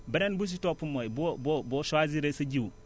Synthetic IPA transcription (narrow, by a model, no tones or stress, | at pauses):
bəɾenbus̬itopːumojboboboʃwaziɾesɐd͡ʒiu